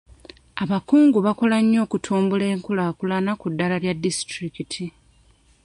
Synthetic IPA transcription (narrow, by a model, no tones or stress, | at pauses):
aβakuːŋɡuβakolaɲːo̞ːkutʰuːmbule̞ːŋkulaːkulanakudːalaljadːistɾikitʰi